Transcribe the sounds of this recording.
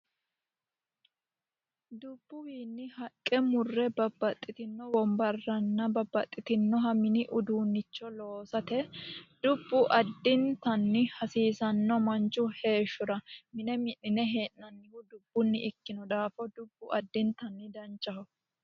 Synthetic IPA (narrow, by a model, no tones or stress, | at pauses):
d̪ʊbːʊwiːnːɪhɐkʼːɛmʊrːɛbɐbːɐt̪ʼːɪt̪ɪnːɔwɔmbɐrːɐnːɐbɐbːɐt̪ʼːɪt̪ɪnːɔɦɐmɪnɪʔʊd̪uːnːɪt͡ʃːɔlo̞ːsɐt̪ɛd̪ʊbːʊʔɐd̪ːɪnt̪ɐnːɪhɐsiːsɐnːɔmɐnt͡ʃːʊhe̞ːʃːʊɾɐmɪnɛmɪnːɪnɛɦeːʔnɐnːɪhʊd̪ʊbːʊnːɪʔɪkːɪnɔd̪aːfɔd̪ʊbːʊʔɐd̪ːɪnt̪ɐnːɪd̪ɐnt͡ʃʼːɐhʊ